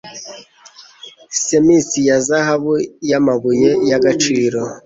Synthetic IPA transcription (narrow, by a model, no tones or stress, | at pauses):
semisijazaɦaβujamaβujejaɡat͡ʃiːɾo̞